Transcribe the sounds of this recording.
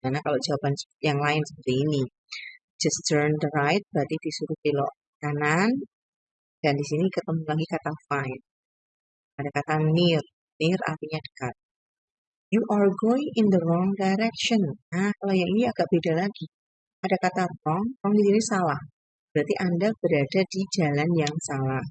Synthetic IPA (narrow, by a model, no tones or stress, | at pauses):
imanakaloʔd͡ʒawabansə̥jaŋlaɪnsəpərt̪iːni | d͡ʒast̪ərnd̪əɾajt̪̚b̥əɾat̪idisuɾup̪ilɔ̰ʔ | kanan | d̥andisinikət̪əmulaɡikat̪afajn̚ | adakat̪anɪr | nɪra̰rt̪iɲad̥ə̥kat̪̚ | juʔarɡoiʔɪnd̪əɾɔŋdajɾɛk̚ʃənahkalajaŋiniaɡ̥aʔb̥edalaɡi | ʔadakat̪arɔŋrɔŋdisinisalah | b̥ɾat̪iʔandabəɾadadid͡ʒalanjaŋsalah